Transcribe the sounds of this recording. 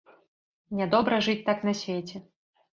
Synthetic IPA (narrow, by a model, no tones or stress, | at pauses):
nʲɛd̪ɔbɾɐʐɨt͡sʲt̪aknɐsʲvʲet͡sʲɛ